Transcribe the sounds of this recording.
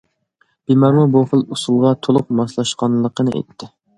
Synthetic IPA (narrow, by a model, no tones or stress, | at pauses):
b̥imɑɾmuboχəlˠusulˠʁɑt̪ʰolˠʊq̚mɑslˠɑʃqɑnlˠəqʰənɨʔḛt̪ʰːɪ